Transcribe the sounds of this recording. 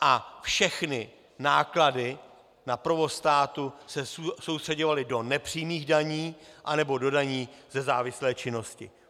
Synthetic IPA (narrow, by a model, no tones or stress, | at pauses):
ʔafʃɛxnɪ | naːkladɪ | napɾ̩vo̞st̪aːt̪usɛsowst̪r̥ɛɟo̞valɪdo̞nɛpr̝̥iːjmiːɣdaɲiːʔanɛbo̞do̞daɲiːzɛzaːvɪslɛːt͡ʃɪno̞scɪ̰